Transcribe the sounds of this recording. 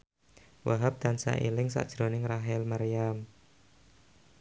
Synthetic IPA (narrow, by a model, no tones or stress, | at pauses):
waɦap̚d̪̥ansa̰ʔilɪŋsa̰ʔd̥ʒ̥ɾonɪŋraɦɪlmaɾijam